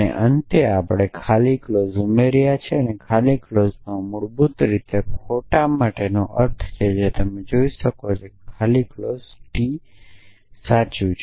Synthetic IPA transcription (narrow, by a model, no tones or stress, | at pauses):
ənḛʔənt̪eapɽekʰaliklozumeɾjat͡ʃʰeənekʰaliklozmãmʊɽbut̪ɾit̪ekʰoʈamaʈenoʔəɾt̪ʰt͡ʃʰed͡ʒet̪əmed͡ʒoiʃəkot͡ʃʰekkʰaliklozʈi | sat͡ʃũt͡ʃʰ